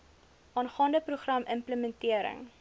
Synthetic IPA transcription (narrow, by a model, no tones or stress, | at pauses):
ʔɑːnχɑːndəpruχrɐməmpləmɛntiəɾə̰ŋ